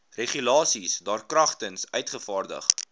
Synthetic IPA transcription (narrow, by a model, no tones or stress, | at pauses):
reχylɑːsisdɑːrkrɐχtənsœɥtχəfɑːrdə̰χ